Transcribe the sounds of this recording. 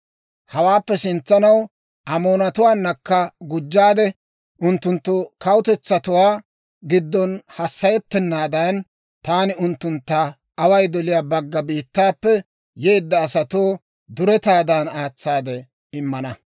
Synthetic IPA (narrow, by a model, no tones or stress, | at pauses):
hɐwaːpːɛsɪnt͡sːɐnɐw | ʔɐmo̞ːnɐt̪ʊwaːnːɐkːɐɡʊd͡ʒːaːd̪ɛ | ʔʊnt̪ːʊnt̪ːʊkɐwʊt̪ɛt͡sːɐt̪ʊwaː | ɡɪd̪ːɔnhɐsːɐjɛt̪ːɛnːaːd̪ɐn | t̪aːnɪʊnt̪ːʊnt̪ːɐː | wɐjd̪ɔlɪjaːbɐɡːɐbiːt̪ːaːpːɛ | je̞ːd̪ːɐːsɐt̪oː | d̪ʊɾɛt̪aːd̪ɐnaːt͡sːaːd̪ɛ | ɪmːɐnɐ